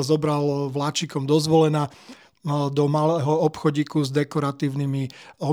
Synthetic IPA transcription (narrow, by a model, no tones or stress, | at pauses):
zɔbɾalʋlat͡ʃikɔmd̪ɔzʋɔlɛna | d̪ɔmalɛɦɔɔpxɔɟiːkuzd̪ɛkɔɾat̪iːʊnimiɔ